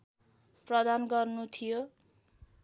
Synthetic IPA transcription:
prʌd̪anɡʌrnut̪ʰijo

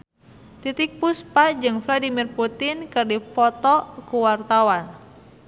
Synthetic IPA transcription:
t̪it̪ik̚puspad͡ʒɨŋfladimirput̪inkɨrdipɔt̪ɔkuwart̪awan

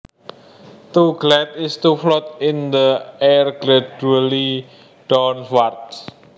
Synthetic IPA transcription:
t̪uɡlɛt̪̚ɪst̪uflɔt̪̚ɪnd̪əɛrɡ̥ɾad͡ʒuali | ɖ̥ɔnwart̪̚

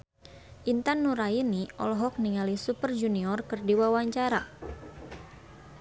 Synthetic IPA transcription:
ʔint̪anːuɾainiʔɔ̰lɔɦɔk̚niŋalisupərd͡ʒuniɔrkɨrdiwawaɲt͡ʃaɾa

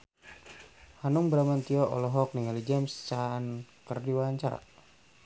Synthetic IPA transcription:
hanuŋbɾamant̪iɔʔɔ̰lɔɦɔk̚niŋalid͡ʒamst͡ʃaːnkərdiwaaɲt͡ʃaɾa̰

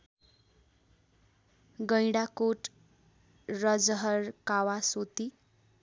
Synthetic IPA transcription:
ɡʌjɽakoʈ | rʌd͡zʌɦʌrkawasot̪i

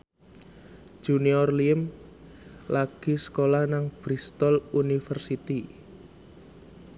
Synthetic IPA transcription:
ʒ̥uniɔrliəm | laɡ̥i̤sə̥kolahnaŋb̥ɾist̪ɔlunifərsit̪i

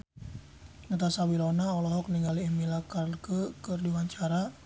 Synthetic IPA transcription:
ŋət̪asawilɔnaɔlɔɦɔk̚niŋaliɛmilakarkəkərdiwaɲt͡ʃaɾa

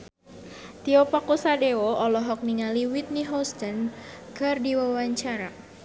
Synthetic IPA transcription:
t̪iɔpakusadewoʔɔlɔɦɔk̚niŋaliwit̪̚niɦɔst̪ənkɨrdiwawaɲt͡ʃaɾa

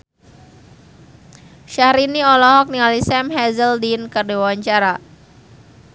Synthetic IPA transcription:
ʃahɾiniɔlɔɦɔk̚nialisɛmɦɛzəldinkərdiwawaɲt͡ʃaɾa

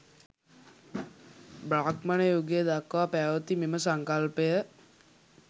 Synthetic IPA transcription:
bɾaːkmanəjoɡejəd̪akːʋapæːʋət̪imeməsaŋkalpejə

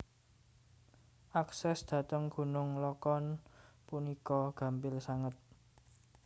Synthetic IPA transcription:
ʔaksɛsd̪̥ä̤t̪əŋɡ̥ṳnʊŋlɔkɔnpunikɔɡ̥ä̤mbɪlsaŋət̪̚

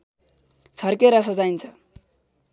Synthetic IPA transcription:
t͡sʰʌrkeɾʌs̬ʌd͡zajnt͡sʰʌ

